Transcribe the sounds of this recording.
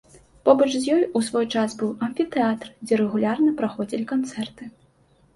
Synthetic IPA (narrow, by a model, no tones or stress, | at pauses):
pɔbɐt͡ʂzʲjɔjusvɔjt͡ʂasbɨwɐnʲfʲit̪ɛat̪rd͡zʲɛɾɛɣulʲarnɐpɾaxɔd͡zʲilʲikant̪sɛrt̪ɨ